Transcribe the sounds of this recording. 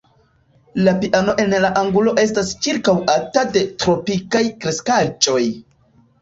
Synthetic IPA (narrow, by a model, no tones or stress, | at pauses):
lapiʔano̞ʔe̞nlaʔaŋɡulo̞ʔe̞stast͡ʃiɾkawʔatade̞tɾo̞pikajkɾe̞skad͡ʒo̞j